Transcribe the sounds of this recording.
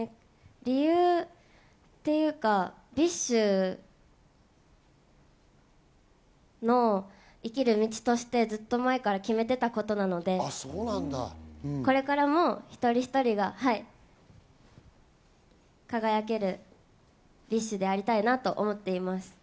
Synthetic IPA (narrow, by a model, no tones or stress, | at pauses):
ɾʲijɯ̟ː | t̪ːe̞jɯ̟ːka | bʲiɕːɨ | no̞ | ikʲiɾɯ̟mʲit͡ɕi̥t̪o̞ɕi̥t̪e̞d͡zɨt̪ːo̞mae̞kaɾakʲime̞t̪e̞t̪ako̞t̪o̞nano̞d̪e̞soːnãnd̪a̰ko̞ɾe̞kaɾamo̞çi̥t̪o̞ɾʲiçi̥t̪o̞ɾʲiɡahai | kaɡajak̬e̞ɾɯ̟ | bʲiɕːɨd̪e̞aɾʲit̪ainat̪o̞ʔomo̞t̪ːe̞imasɨ̥